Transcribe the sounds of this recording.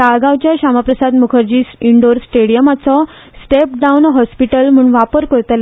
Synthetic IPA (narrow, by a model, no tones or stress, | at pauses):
aɡãʋt͡ɕjaɕamapɾəsad̪mukʰəɾd͡ʑiːsiɳɖoɾsʈeɽijəmat͡sɔ | sʈepɖaunɦɔspiʈəlm̤uːɳʋapəɾkəɾt̪əl